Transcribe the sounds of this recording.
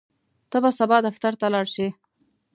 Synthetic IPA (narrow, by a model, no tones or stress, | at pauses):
t̪əbasabɑd̪aft̪aɾt̪alɑɽʃi